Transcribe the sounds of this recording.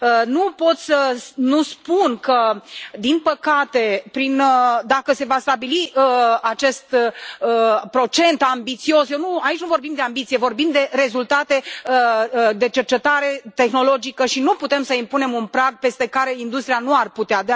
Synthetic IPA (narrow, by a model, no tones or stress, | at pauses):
ənupo̞t̪sʲsəsnuspunkəd̪inpəkat̪e̞pɾind̪akəse̞vast̪abiliəat͡ʃe̞st̪əpɾo̞t͡ʃe̞nt̪ambit̪sio̞sjewnuait͡ʃʲnuvo̞rbimd̪e̞ambit̪sijevo̞rbimd̪e̞ɾe̞zult̪at̪e̞əd̪e̞t͡ʃe̞rt͡ʃe̞t̪aɾe̞t̪e̞xno̞lo̞d͡ʒikəʃinuput̪e̞msəimpune̞munpɾaɡ̚pe̞st̪e̞kaɾe̞ind̪ust̪ɾianuarput̪ead̪ea